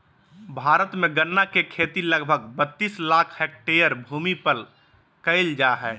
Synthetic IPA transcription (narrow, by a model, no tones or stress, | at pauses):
bʱaːɾət̪mẽɡənːakekʰeːt̪iləɡbʱəɡbət̪ːiːslaːkʰhɛk̚ʈejəɾbʱuːmipəl | kəɪld͡ʒaɦɛː